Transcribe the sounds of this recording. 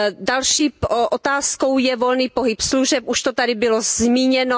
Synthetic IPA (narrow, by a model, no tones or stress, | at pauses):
dalʃiːʔot̪aːsko̞wjɛvolniːpoɦɪpsluʒɛp̚ʔuʃt̪ot̪adɪbɪlozmiːɲɛno